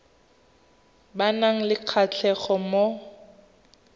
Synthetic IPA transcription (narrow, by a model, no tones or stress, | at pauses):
banaŋ̩lɪq͡χʰat͡ɬʰɛχɔmo